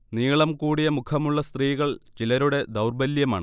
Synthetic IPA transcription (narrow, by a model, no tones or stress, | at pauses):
niːɭɐmkuːɽijɐmukʰɐmuɭːɐst̪riːɣɐɭt͡ɕilɐɾuɽe̞d̪ɐwrbɐljɐmaːɳɨ